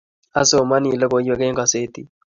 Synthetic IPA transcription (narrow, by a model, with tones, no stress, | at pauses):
a˦so˨ma˦ni˨lɔ˦ko˨˦jwo˦ke˦ŋɡa˨se˦t̪i˨